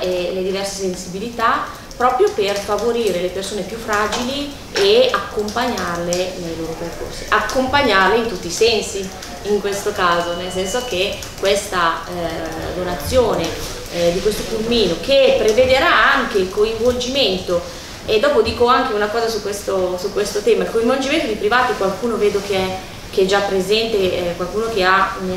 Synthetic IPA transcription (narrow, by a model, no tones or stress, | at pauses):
eled̪ivɛrse̥sensibilit̪a | pːɾɔːpɾjoperfavoɾiːɾelepersoːnepjufːɾaːd͡ʒili | eakːompaɲːarlenejloːɾoperko̰rsi̥ʔakːompaɲːarleint̪ut̪ːisɛnsi | iŋkwest̪okaːzonels̬ɛnsok̟e | kːwest̪a | d̪onat̪sːjoːne | d̪ikwest̪opulmiːnokepːɾeved̪eɾaaŋkeilkoiɱvold͡ʒiment̪o | ed̪ːɔːpod̪iːkoaŋk̟eunakɔːzasukːwest̪osukːwest̪ot̪ɛːmailkoiɱvold͡ʒiment̪od̪ipɾivaːt̪ikwalkuːnoveːd̪okeɛ | keɛd͡ʒapːɾezɛnt̪ekwalkuːnok̟eaun